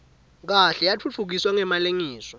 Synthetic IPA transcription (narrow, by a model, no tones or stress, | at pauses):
k̬aɬɛjat͡fʰut͡fʰuk̬iswaŋɛmaleŋiːsɔ